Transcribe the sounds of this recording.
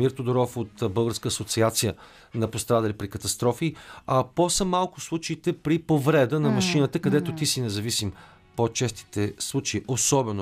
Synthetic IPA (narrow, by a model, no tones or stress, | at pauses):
iɾt̪od̪oɾɔfot̪bɤlˠɡəɾskəɐsot̪siat̪sijə | nɐpost̪ɾad̪əlipɾikət̪ɐst̪ɾɔfiɐposəmalˠkʊslˠut͡ʃəit̪ɛpɾipovɾɛd̪ənɐmɐʃinət̪əkɐd̪ɛt̪ot̪isinɛzɐvisim | pot͡ʃɛst̪i̥t̪ɛslˠut͡ʃeiʔosɔbɛno